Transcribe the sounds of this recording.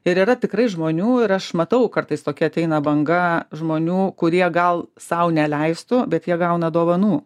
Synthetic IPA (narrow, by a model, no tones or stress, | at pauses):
ɪɾiːɾɐt̪ʲɪkɾɐɪʒmoːnʲuːɪɾɐʃmɐt̪ɐʊkɐrt̪ɐɪst̪oːkʲɛɐt̪ʲɛɪnɐbɐŋɡɐʒmoːnʲuːkʊɾʲiɛɡɐlˠsɐʊnʲɛlʲɛɪst̪ʊbʲɛt̪jiɛɡɐʊnɐd̪oːʋɐnuː